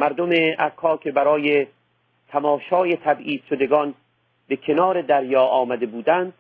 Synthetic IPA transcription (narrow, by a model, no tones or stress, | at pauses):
mæɾd̪omeʔækʰɒːkʲʰe̞bæɾɒːje | t̪ʰæmɒːʃɒːjet̪ʰæbʔiːz̥ʃod̪eɡɒːn | bekʰe̞nɒːɾe̞d̪æɾjɒːʔɒːmæd̪e̞buːd̪ænd̪̚